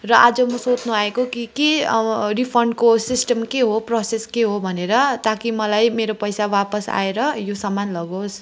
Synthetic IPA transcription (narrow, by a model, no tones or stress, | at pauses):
rʌʔad͡zʌmʌsot͡snuɦaekokikeripʰʌɳɖkosisʈʌmkeɦoproseskeɦobʱʌneɾʌt̪akimʌlajmeɾopʌjsawapʌsa̰eɾʌjosʌmanlʌɡos